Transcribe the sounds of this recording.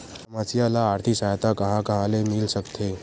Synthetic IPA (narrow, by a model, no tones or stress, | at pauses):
əmasijalaːɾt̪ʰiksajt̪akəɦãkəɦãlemilsəkt̪ʰe